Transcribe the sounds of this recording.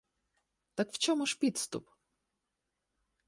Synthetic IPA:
t̪ɐkft͡ʃɔmʊʂpʲit̪st̪ʊ̰p

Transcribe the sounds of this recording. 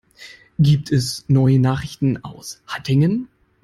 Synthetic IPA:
ɡiːp̚tʰɛsnɔʏənaːχɪçtn̩a̰ʊshatʰɪŋən

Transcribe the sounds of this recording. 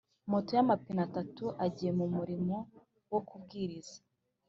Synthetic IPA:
motojamapinatatuʔaɟiːje̞mumuɾimo̞ | wokubɡiːɾiz̥ḁ

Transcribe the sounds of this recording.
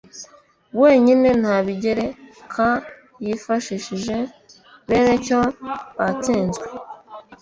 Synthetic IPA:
βwe̞ːɲine̞n̥haβiɟeɾe̞kʰa | jifaʃiʃiʒe̞ | βe̞ne̞coβat͡siːnzɡwe

